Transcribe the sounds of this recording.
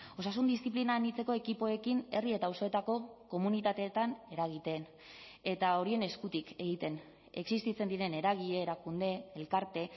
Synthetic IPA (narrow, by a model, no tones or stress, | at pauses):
o̞sasund̪ist̪ip̬linanit͡se̞ko̞e̞kipo̞e̞kine̞rie̞t̪aoso̞e̞t̪ako̞ko̞munit̪at̪e̞ːt̪ane̞ɾaɣ̞it̪e̞n | e̞t̪ao̞ɾie̞ne̞skut̪ike̞ɣ̞it̪e̞n | e̞ksist̪it͡se̞nd̪iɾe̞ne̞ɾaɣiʎeːɾakund̪e̞elkaɾt̪e̞